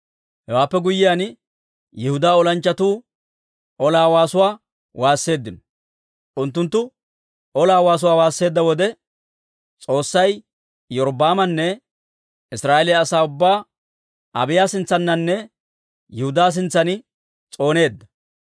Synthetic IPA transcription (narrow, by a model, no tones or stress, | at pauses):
hɛwaːpːɛɡʊjːɪjan | jɛhʊd̪aːɔlɐnt͡ʃːɐt̪uː | ʔɔlaːwaːsʊwaː | wʔaːsːe̞ːd̪ːɪnɔ̥ | ʔʊnt̪̬ːʊnt̪ːʊ | ʔɔlaːwaːs̬ʊwaːwaːsːe̞ːd̪ːɐwɔd̪ɛ | t͡sʼo̞ːsːɐj | jɔɾɔbaːmɐnːɛ | ɪsɾaːʔelɪɐːsaːʊbːaː | ʔɐbɪjaːsɪnt͡sːɐnːɐnːɛ | jɛhʊd̪aːs̬ɪnt͡sːɐnɪ | t͡sʼo̞ːne̞ːd̪ːɐ̥